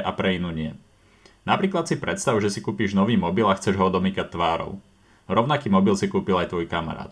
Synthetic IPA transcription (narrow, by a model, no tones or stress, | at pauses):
ʔapɾɛinuːɲɪɛ | napɾiːklat̪sipɾɛt̪st̪aʊʒɛsikuːpiːʒnɔʋiːmɔbilaxt͡sɛʒɦɔd̪ɔmiːkac̚t̪ʋaːɾɔ̰ʊ | ɾɔʊnakiːmɔbilsikuːpilajt̪ʋɔjkama̰ɾa̰ːt̪